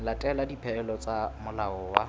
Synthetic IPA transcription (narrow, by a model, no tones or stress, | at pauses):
latʼɛladipʰɛlɔt͡sʼamʊlaɔːwa